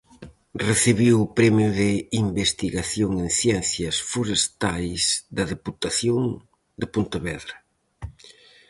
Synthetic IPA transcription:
reθiβiwʊpɾɛmjʊðɪimbest̪iɣaθjoŋeŋθjɛnθjɐsfoɾest̪ajzd̪ɐðeput̪aθjoŋ | d̪ɪpont̪ɐβɛðɾɐ

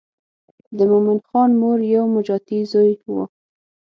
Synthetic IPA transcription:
d̪əmʊmɪnxɑnmoɾjawmʊd͡ʒɑt̪izojwo̰

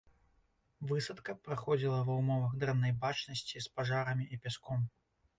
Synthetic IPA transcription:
vɨsɐt̪kɐpɾaxɔd͡zʲilˠɐvɐwmɔvɐɣd̪ɾɛnːɐjbat͡ʂnɐsʲt͡sʲispaʐaɾɐmʲiʔipʲaskɔm

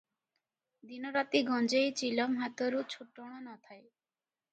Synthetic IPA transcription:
d̪inɔɾat̪iɡɔnd͡ʒejt͡ʃilɔmɦat̪ɔɾut͡ʃʰuʈɔɽ̃ɔnɔt̪ʰae

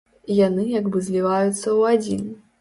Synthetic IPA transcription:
janɨjaɡbɨzʲlʲivajut̪sːɐwad͡zʲḭn

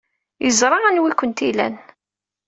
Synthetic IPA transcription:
jəzɾˤɑænwikʷənt̪ilæ̰n

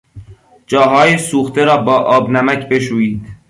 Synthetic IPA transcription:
d͡ʒɒːɦɒːjesuːxt̪ʰe̞ɾɒːbɒːʔɒːbnæmæcʰbe̞ʃ̬uːjiːd̪̥

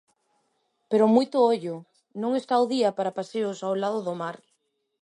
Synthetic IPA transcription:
peɾomujt̪ooʎo | nõŋest̪awðiapaɾapaseosawlaðoðomaɾ

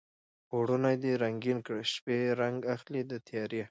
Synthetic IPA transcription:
oɽunajd̪iɾaŋɡinkɽʃpeɾaŋɡaxlid̪ət̪ʰjɑɾje

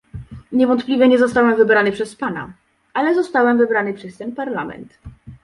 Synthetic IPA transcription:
ɲɛvɔnt̪plʲivʲɛɲɛzɔst̪awɛmvɘbɾanɘpʂɛspana̰ | ʔalɛzɔst̪awɛmvɘbɾanɘpʂɛst̪ɛnpaɾlamɛ̰nt̪

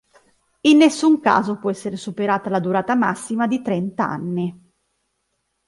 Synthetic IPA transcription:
inːesːuŋka̰ːzopwɔɛsːeɾesupeɾaːt̪alad̪uɾaːt̪amasːimad̪it̪ɾɛnt̪aa̰nːi

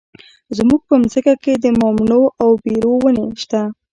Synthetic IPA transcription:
zmuɡ̚pəmzəkaked̪əmɔmnoʔawbeɾowəneʃt̪a

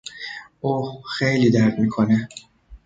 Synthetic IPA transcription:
ʔuːxejliːd̪æɾd̪miːkʰone

